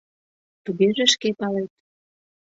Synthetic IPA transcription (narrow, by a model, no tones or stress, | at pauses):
t̪uɣeʒeʃkepɑlet̪̚